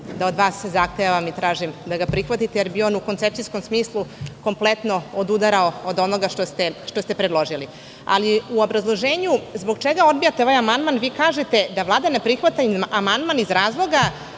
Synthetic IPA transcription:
d̪ao̞d̪ʋaːsːezaxt̪ejaʋamit̪ɾaːʒimd̪aɡapɾixʋat̪it̪ejeɾbio̞ːnuko̞nt̪sep̚t̪isko̞msmiːslˠuko̞mplet̪no̞od̪ud̪aɾaood̪o̞no̞ɡaʃt̪ost̪e̞ʃt̪ost̪e̞pɾed̪lˠo̞ʒili | a̰liuo̞bɾazlˠo̞ʒeːɲuzbo̞ɡt͡ʃeɡao̞d̪̚bijat̪eoʋajamand̪manʋiːkaːʒe̞t̪e̞d̪aʋlˠaːd̪anapɾixʋat̪aamand̪manizɾaːzlˠo̞ɡa

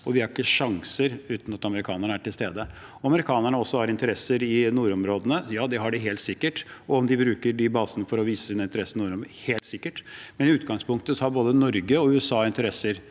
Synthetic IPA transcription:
ɔʋɪhɑɾɪkːəʂɑŋsəɾʉːt̪nɑt̪ɑməɾɪkʰɑːnəɳəæʈɪlst̪eːd̪əɔɑməɾɪkʰɑːnəɳəɔsːɔhɑɾɪnt̪əɾɛsːəɾɪnuːɾɔmɾoːd̪ənəjɑːd̪ɛɦɑɖɪɦeːlt̪sɪkːəʈɔɔmd̪ɪbɾʉːkəɖɪbɑːsənəfɔɾɔʋiːsəd̪ɛnɪnt̪əɾɛsənuːɾɔmheːlt̪sɪkːəʈmɛnɪʉːt̪ɡɑŋspʊŋkt̪əsɔhɑɾboːd̪ənɔɾɡəɔʉːɛsɑːɪnt̪əɾɛsːəɾ

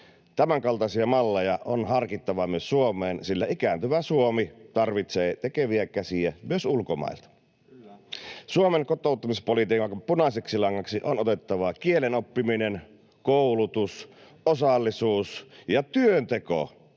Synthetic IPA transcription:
t̪æmæŋkɑlt̪ɑsiɑmɑlːejɑʔonhɑrkit̪ːɑʋɑmyøssuomeːnsilːæikæˑːnt̪yʋæsuomit̪ɑrʋit̪seːt̪ekeʋiækæsiæmyøsulkomɑ̰ˑilt̪ɑ̥ | suomeŋkot̪ˑoˑut̪ːɑmispolit̪iːkɑŋkɑpunɑseksilɑŋːɑksiʔonot̪et̪ːɑʋɑkielenopːiminen | koulut̪us | osɑlːisuːsjɑt̪yønt̪eko̰

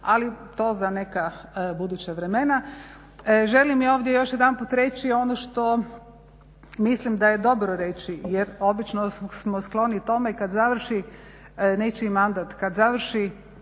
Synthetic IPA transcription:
alit̪o̞ːzane̞kabud̪ut͡ɕaʋɾeme̞na | ʒe̞limio̞ːʋd̪jejo̞ʃjed̪anpuːt̪ɾe̞t͡ʃio̞noʃt̪o̞ | mislimd̪ajed̪o̞bɾoɾe̞t͡ʃijeɾo̞bit͡ʃnosmosklˠo̞nit̪o̞me̞ikad̪zaʋr̩ʃi | ne̞t͡ʃimand̪at̪kad̪zaʋr̩ʃi

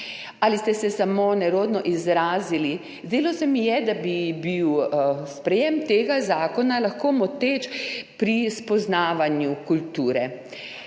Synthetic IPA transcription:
alist̪ɛsɛsamonɛɾoːd̪nɔʔizɾaːzili | zd̪eːlawsɛmijɛd̪abibiwspɾɛjemt̪eːɡazaːkɔnalaxkoːmɔt̪eːt͡ʃpɾispɔznaːʋanjukult̪uːɾɛ

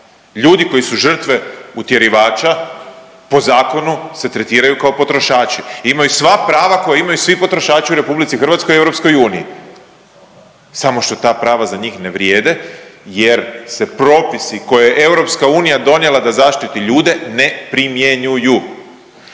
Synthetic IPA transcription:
ʎuːd̪iko̞jisuʒr̩t̪ʋe̞ut̪je̞ɾiʋaːt͡ʃa | po̞zaːko̞nuse̞t̪ɾe̞t̪iːɾajukaopo̞t̪ɾo̞ʃaːt͡ʃiimajusʋapɾaːʋako̞jaimajusʋipo̞t̪ɾo̞ʃaːt͡ʃiuɾe̞publit̪sixrʋat̪skoievɾo̞psko̞juːnḭi | samoʃt̪o̞t̪aːpɾaːʋazaɲiːxne̞ʋɾjeːd̪e̞je̞ɾse̞pɾo̞ːpisiko̞jejeʔe̞wɾo̞pskauːnijad̪o̞nje̞lad̪azaːʃt̪it̪iʎuːd̪e̞ne̞pɾimjeɲuju

